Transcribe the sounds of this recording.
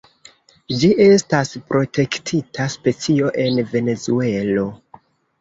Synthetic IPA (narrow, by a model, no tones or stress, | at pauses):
d͡ʒiʔe̞staspɾo̞tʰe̞ktʰitʰaspe̞t͡sio̞ʔe̞nve̞ne̞zue̞lo̞